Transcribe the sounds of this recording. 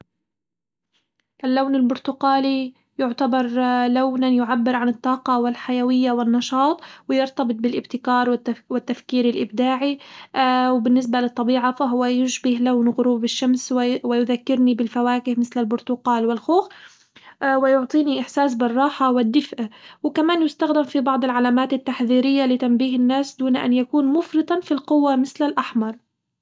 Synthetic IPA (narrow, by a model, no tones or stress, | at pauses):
ʔalːawnɪlbʊɾt̪ʊqaːli | jʊʕt̪abɑɾˤlawnanjʊʕabːɪɾʕanɪt̪ˤːɑːqɑwɪlħajawɪjːawɪnːɑʃɑːt̪ˤwɪjɪɾt̪ɑbɨt̪̚ˤbɪlʔɪbt̪ɪkɑːɾˤwɪwɪt̪ːafkiːɾɪlʔɪbd̪aːʕi | wɪbɪnːɪs̬balɨt̪ˤːɑbiːʕafaɦʊwːajʊʃbɪhlawnɣʊɾuːbɪʃːamswwɪjʊðakːɪɾnibɪlfawaːkɪhmɪθlalbʊɾt̪ʊqɑːlwɪlxuːx | wɪjʊʕt̪ˤiːniʔɪħsaːs̬bɪrˤːɑːħawɪd̪ːɪfʔwɪkamaːnjʊst̪axd̪ɪmfibɑʕd̪ˤɪlʕalaːmaːt̪ɪt̪ːaħðiːɾɪjːalɪt̪ambiːhɪnːaːsd̪uːnʔa̰njakuːnmʊfɾɨt̪ˤɑfilqʊwːamɪθlalʔaħmɑɾˤ